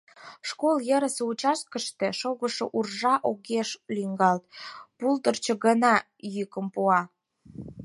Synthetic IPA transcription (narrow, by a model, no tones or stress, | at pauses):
ʃkoljəɾəseut͡ɕɑʃkəʃt̪eʃoɣəʃoʔurʒɑʔoɣeʃliŋɡɑlt̪̚pult̪ərt͡ɕə̆ɣənɑ | jykəmpuɑ